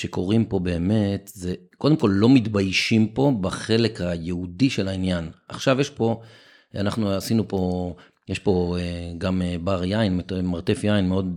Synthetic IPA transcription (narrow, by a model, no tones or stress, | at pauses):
ʃeko̞ʁimpo̞be̞ːme̞t̪zekod̪e̞mko̞lːo̞mit̪bajʃimpo̞baχe̞le̞khajeudiʃelainjanʔaχʃavjeʃpo̞ | anaχnuasinupo̞ | jeʃpo̞eɡamebaʁjainmemaʁt̪e̞fjainmeo̞d̪